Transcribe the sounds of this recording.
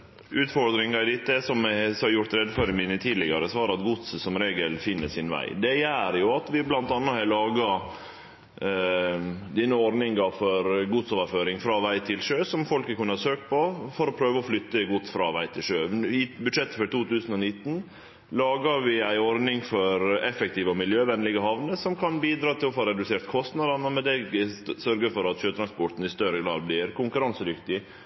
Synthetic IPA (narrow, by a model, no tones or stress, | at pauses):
ʉːt̪fɔɾd̪ɾɪŋɑɪd̪ɪt̪ːəsɔmsɑɾjʊʈt̪ɾɛd̪ːføɾɪmɪnːət̪ʰiːd̪lɪɡɑɾəsʋɑːɾɑt̪ɡʊt̪ssɔmɾeːɡəlfɪnːəsɪnʋæ̰ɪd̪ɛjæːɾjʊɑt̪ʋɪblɑnt̪ɑnːəhɑlɑːɡɑ | d̪iːnəɔɾnɪŋɑfɔɾɡʊd̪soːʋəɾføːɾɪŋfɾɑːʋæɪt̪ʰɪlʂøːsɔmfɔlkəkʰʉnːəhɑsøːk̪̚pʰɔfɔɾɔpʰɾøːʋəɔflʏt̪ːəɡʊt̪sfɾɑ̰ʋæɪt̪ʰɪlʂøːɪbʉd̪ʂɛt̪ːəfɔɾt̪uːt̪ʉːsən̩ɔnɪt̪ːn̩ | lɑːɡɑʋɪæɪɔɾd̪nɪŋfɔɾɛfɛk̚t̪ʰiːʋəɔmɪljøːʋɛnːlɪɡəhɑʋnəsɔmkʰɑnbiːd̪ɾɑːt̪ʰɪlɔfɔɾɛd̪ʉseːɾt̪kʰɔst̪nɑd̪ɑnəmɛd̪ɛɡsœɾɡəfɔɾɑt̪ʃøːt̪ʰɾɑnspɔʈn̩ɪst̪œɾəɡɾɑ̰ːd̪̚blɪɾkʰʊŋkʉɾɑnsəd̪ʏkt̪ɪ